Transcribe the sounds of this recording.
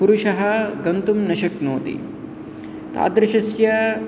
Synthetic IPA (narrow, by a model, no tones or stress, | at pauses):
puɾuʃɐɦɐ̆ɡɐnt̪umnɐʃɐknoːt̪ḭ | t̪a̰ːd̪ɾɐʃɐsjɐ